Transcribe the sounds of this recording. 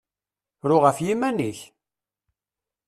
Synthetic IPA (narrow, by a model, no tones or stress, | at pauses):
ɾʊʁəfjimæniç